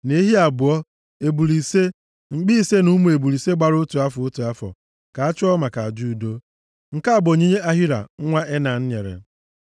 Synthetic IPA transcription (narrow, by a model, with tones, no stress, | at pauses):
ne˦ɦi˦a˨bʊ˨ɔ˦ | e˨bu˨li˨se˦ | ŋ͡m̩˨ɡ͡bi˦i˦se˦nu˦mu˨e˨bu˨ɾi˨se˦ɡ͡ba˨ɾʊ˦tu˨a˦fo˦tu˨a˦fɔ̰˨ | ka˨a˦t͡ʃʊ˦ɔ˦ma˨ka˨a˨d͡ʒu˦˨do˦ | ŋ̩˨ka˦a˨bo˨ɲi˦ɲe˦ʔa˦ɦi˦ɾa̰˨˦ŋʷa˦ʔe˦na˨n̩˦ɲḛ˨ɾḛ˨